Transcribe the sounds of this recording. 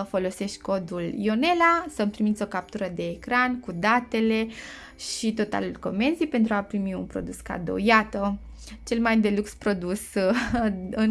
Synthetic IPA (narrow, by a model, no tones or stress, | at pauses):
fo̞lo̞se̞ʃt̪ʲko̞d̪uljo̞ne̞lasəmpɾimit̪sʲo̞kap̚t̪uɾəd̪e̞ːkɾankud̪at̪e̞le̞ | ʃit̪o̞t̪a̰lulko̞me̞nzipe̞nt̪ɾuapɾimiunpɾo̞̰d̪uska̰d̪o̰jat̪ə | t͡ʃe̞lmajd̪e̞lukspɾo̞d̪us | ɨn